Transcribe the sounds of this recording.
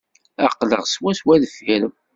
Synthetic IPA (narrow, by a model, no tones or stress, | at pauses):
æ̰qːlə̰ʁswæswæðfiɾəm